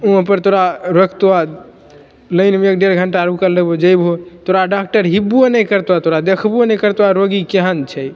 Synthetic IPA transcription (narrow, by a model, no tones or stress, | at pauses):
uɦpəɾt̪oɾaɾokt̪uʋa | ləjnmeek̚ɖeɾɡʱəɳʈaɾukəlːebod͡ʒəjbɦot̪oɾaɖak̚ʈəɾɦibːuenɛjkəɾt̪at̪oɾad̪ekʰbuənɛjkəɾt̪aɾoɡikeɦənt͡ʃʰɛj